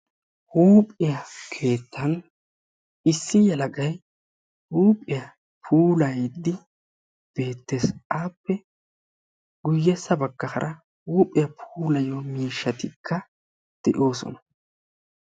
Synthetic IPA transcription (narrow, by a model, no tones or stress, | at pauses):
huːpʼɪjɐkʰe̞ːt̪ʰːɐn | ɪsːɪjɛlɐɡɐj | huːpʼːɪjɐ | pʰuːlɐjd̪ːɪ | b̥e̞ːt̪ːesaːpːɛ | ɡʊjːɛsːɐbɐɡːɐxɐ̰ɾʔɐ | huːpʼɪjɐpʰuːlɐjomiːʃːɐt̪ɪkʰːɐ | d̪̥ɛʔo̞ːsɔ̰nɐ